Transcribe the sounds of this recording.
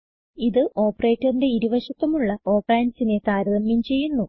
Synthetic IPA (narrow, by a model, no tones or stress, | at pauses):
iðɨʔo̞ːpːɐreːtːɐrinde̞iɾuʋɐɕɐt̪ːɐmuɭːɐo̞ːpraːnsine̞t̪aːɾɐðɐmjint͡ɕe̞jːunːu